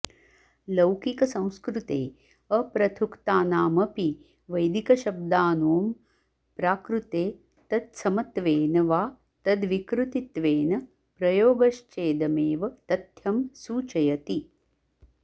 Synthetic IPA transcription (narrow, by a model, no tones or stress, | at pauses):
lɐwkikɐsɐ̃w̃skɾut̪eː | ɐpɾɐt̪ʰukt̪aːnaːmɐpi | ʋɐjd̪ikɐʃɐb̚d̪aːnuːm | pɾaːkɾut̪eː | t̪ɐd̪sɐmɐt̪ʋeːnɐʋaː | t̪ɐd̪ʋikɾut̪it̪ʋeːnɐ | pɾɐjoːɡɐʃt͡ʃeːd̪ɐmeːʋɐt̪ɐt̪jɐmsuːt͡ʃɐjɐt̪i